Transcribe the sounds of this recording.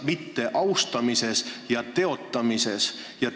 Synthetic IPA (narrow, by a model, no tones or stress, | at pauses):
mit̪ːe̞ʔɑwst̪ɑmise̞sjɑt̪e̞o̞t̪ːˑɑmise̞s | jɑ